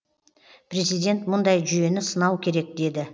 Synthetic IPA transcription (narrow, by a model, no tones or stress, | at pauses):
pʰɾe̞zijd̪ʲe̞nt̪mʊnd̪ɑjʒʏje̞nɪsənɑwkʲʰe̞ɾe̞k̚d̪e̞d̪ɪ